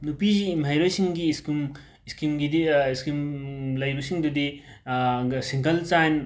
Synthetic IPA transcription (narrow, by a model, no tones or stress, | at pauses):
nupiziːmɦajɾojsiŋɡiːskim | iskimɡidiiskimlɐjbusiŋdudi | siŋkɐlt͡ʃajn